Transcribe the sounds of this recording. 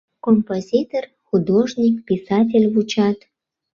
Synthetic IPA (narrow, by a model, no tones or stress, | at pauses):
kompozʲit̪or | xud̪oʒnʲikpʲisɑt̬ʲelʲvut͡ɕɑt̪